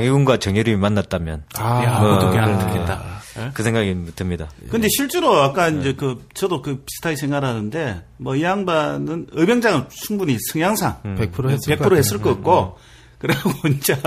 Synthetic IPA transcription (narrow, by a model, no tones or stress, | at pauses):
ŋiunɡwat͡ɕʌŋjoɾimimanːat̚t͈amjʌnamʌtokeaɯɭnɯkʰet͈akɯsʰe̞ŋɡaɡimotʰɯmɲidakɯnde̞ɕʰiɭt͡ɕ͈eɾoak̚k͈aind͡ʑe̞kɯt͡ɕʌdokɯpi̥sʰɯ̥tʰaisʰe̞ŋɦwaɾɦanɯnde̞mʌiaŋbanɯnɯbjʌŋd͡ʑaŋɯnt͡ɕʰuŋbuɲisʰɯŋjaŋsʰaŋpek̚pʰuɾope̞kʰuɾohes͈ɯɭk͈ʌk̚k͈o | kɯɾeɡoint͡ɕ͈a